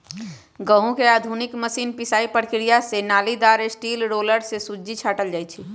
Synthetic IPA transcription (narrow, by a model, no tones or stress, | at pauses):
ɡəɦũkeaːd̪ʱunikməsiːnpisaːipəɾkɾijasenaːlid̪aɾesʈiːlɾoləɾsesud͡ʒit͡ʃʰaːʈəld͡ʒaːjt͡ʃʰi